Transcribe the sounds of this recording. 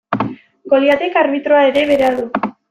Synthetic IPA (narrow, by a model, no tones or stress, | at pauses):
ɡo̞liat̪ekaɾβit̪ɾoae̞ɾe̞βe̞ɾeaðu